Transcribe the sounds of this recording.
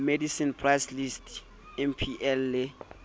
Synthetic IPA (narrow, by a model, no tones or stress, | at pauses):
medisinpʰrajslistʰ | ɛmpʰiʔɛlːe